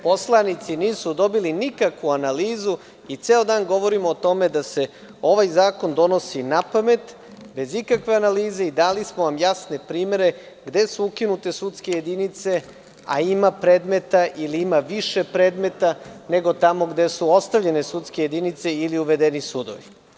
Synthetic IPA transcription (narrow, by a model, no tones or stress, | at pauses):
po̞slˠanit̪siniːsud̪o̞bilinikakʋuanaliːzu | it̪seod̪aːnɡo̞ʋo̞ɾimoːt̪o̞me̞d̪ase̞ | o̞ʋajzaːko̞nd̪o̞no̞sinapame̞t̪ | be̞zikakʋe̞analiːze̞id̪aːlismoʋamjasne̞pɾiːme̞ɾe̞ | ɡd̪e̞suukinut̪e̞sut̪ske̞jed̪init̪se̞ | a̰imapɾe̞ːd̪me̞t̪aʔiliimaʋiʃe̞pɾe̞ːd̪me̞t̪ane̞ɡo̞t̪amo̞ɡd̪e̞suo̞st̪aʋʎe̞ne̞sut̪skeje̞d̪init̪se̞iliuʋe̞d̪enisuːd̪o̰ʋi